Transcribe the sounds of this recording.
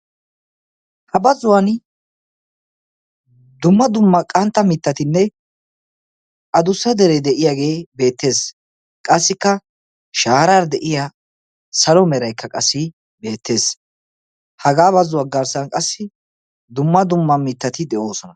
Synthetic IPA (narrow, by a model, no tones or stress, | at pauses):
hɐbɐzʊwan | d̪ʊmːɐd̪ʊmːɐkʼɐnt̪ːɐmɪt̪ːɐt̪ɪnːɛ | ʔɐd̪ʊsːɐd̪ɛɾɛd̪ɛʔɪjaːɡe̞ːbe̞ːt̪ːe̞ːs | kʼɐsːɪkːɐ | ʃaːɾaɾd̪ɛʔɪja | sɐlɔmɛɾɐjkːɐkʼɐsːɪ | be̞ːt̪ːe̞ːs | hɐɡaːbɐzʊwaɡɐɾsɐnkʼɐsːɪ | d̪ʊmːɐd̪ʊmːɐmɪt̪ːɐt̪ɪd̪ɛʔo̞ːsɔnɐ